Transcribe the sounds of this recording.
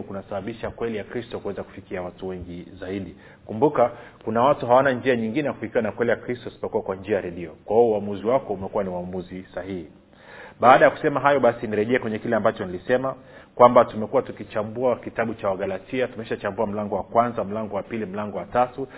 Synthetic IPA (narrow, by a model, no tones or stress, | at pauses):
kunasaɓaɓiʃakwɛlijakɾistɔkuwɛzaku̥fikiawatuwɛŋɡizaiɗi | kumbukakunawatuɦawanand͡ʒiaɲiŋɡinɛjakuhikiwanakwɛlijakɾistɔisi̥pɔkuwakwand͡ʒiajaɾɛɗiɔkwahiɔuamuziwakɔumɛkuwaniuwamuzisahihi | ɓaːɗajaku̥sɛmaɦajɔɓasiniɾɛʄɛɛkwɛɲɛkilɛambat͡ʃɔnilisɛma | kwambatumɛkuwatukit͡ʃambuakitaɓut͡ʃawaɠalatʰiatumɛʃat͡ʃambuam̩laŋɡɔwakwanzam̩laŋɡɔwapilim̩laŋɡɔwatatu